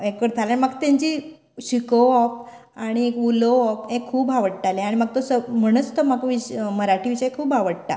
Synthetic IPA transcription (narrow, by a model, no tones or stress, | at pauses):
ekʋəɾt̪ʰalaɳ̃imaɡt̪ãɲt͡ɕiː | ɕikoɔp̚ | aɽ̃ikuloɔpẽkʰuːbaʋəɽʈ̪alẽaɽ̃imaɡ̚t̪osəm̤əɽ̃ət͡st̪omakʋiməɾaʈiʋiɕəjekʰuːbaʋəɽt̪a̰